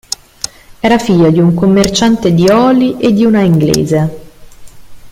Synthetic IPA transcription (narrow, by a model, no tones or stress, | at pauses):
ɛːɾafiʎːod̪iuŋkomːert͡ʃant̪ed̪iɔːliʔed̪ːiunaiŋɡlḛːze